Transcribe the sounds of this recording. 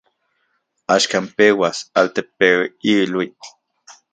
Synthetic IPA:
aʃkampewasalt̪epewilwi

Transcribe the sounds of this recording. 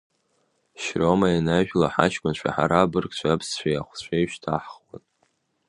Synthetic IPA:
ʃromainaʒᶣlaħa̰ʃkʷʼʊnt͡ʃʷʰa̰ħa̰ɾabɨrkt͡ɕʷʰapʰst͡ɕʷʰaja̰χʷt͡ɕʷʰejʃtʰaħχwa̰n

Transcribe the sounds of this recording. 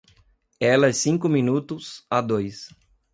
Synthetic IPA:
ɛlɐɛsĩŋkʊmĩnut̪ʊsad̪ojs

